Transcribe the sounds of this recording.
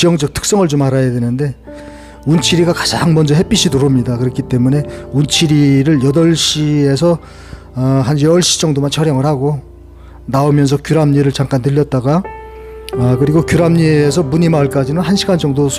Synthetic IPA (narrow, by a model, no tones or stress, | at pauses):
ijʌŋd͡ʑʌk̚tʰɯ̥k̚s͈ʌŋɯɭt͡ɕomaɾajadwe̞nɯnde̞ | unt͡ɕʰiɾiɡakḁd͡ʑaŋmʌnd͡ʑʌɦe̞p͈iɕʰidoɾomɲidakɯɾʌkʰit͈e̞mune̞unt͡ɕʰiɾiɾɯɭjʌdʌɭɕ͈ies̬ʰʌ | ɦand͡ʑʌʌɭɕ͈i̥d͡ʑʌŋdomant͡ɕʰʌɾjʌŋɯɭhaɡo | naomjʌns̬ʰʌkjuɾamɲiɾɯɭt͡ɕaŋk͈antɯʎːʌt̚t͈aɡa | ʌkɯɾiɡokjuɾamɲieːs̬ʰʌmuɲimaɯɭk͈ad͡ʑinɯnɦanɕʰiɡant͡ɕʌŋdosʰ